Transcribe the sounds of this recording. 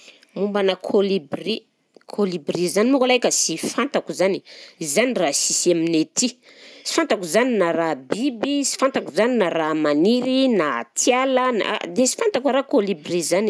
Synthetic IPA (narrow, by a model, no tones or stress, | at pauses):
mumbanakʰolibri | kʰolibrizanimukalajkʲəsifant̪akuzaniizanirasisaminet̪i | si̥fant̪akuzaninaɾabibisi̥fant̪akuzaninaɾamaniɾinat̪jaləna̰d̪esi̥fant̪akwaɾakolibrizani